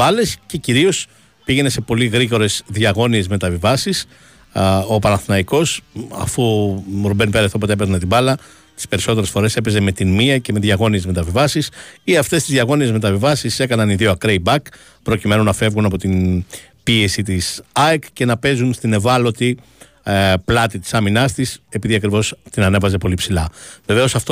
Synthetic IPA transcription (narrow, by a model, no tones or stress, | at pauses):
ɐle̞sce̞ciɾio̞s | piɣe̞ne̞se̞po̞liɣɾiɣo̞ɾe̞sðʝɐɣo̞nie̞zme̞t̪ɐvivɐsis | o̞pɐnɐθnɐiko̞sɐ̰fuɾobe̞nipeɐiθopot̪eepeɣnɐt̪ibɐlɐ | t̪i̥spe̞ɾiso̞t̪e̞ɾe̞sfo̞ɾe̞se̞pe̞zeme̞t̪inmiɐce̞meðʝɐɣo̞nie̞zme̞t̪ɐvivɐsisiɐft̪e̞st̪izðʝɐɣo̞nie̞zme̞t̪ɐvivɐsise̞kɐnɐniðioɐkɾeibɐk | pɾo̞cime̞nunɐfe̞vɣunɐpo̞t̪in | pie̞sit̪isɐekce̞nɐpe̞zunst̪ine̞vɐlo̞t̪i | plɐt̪it̪i̥sɐminɐst̪ise̞piðiɐkɾivo̞st̪inɐne̞vɐze̞po̞lipsilɐve̞ve̞o̞sɐft̪o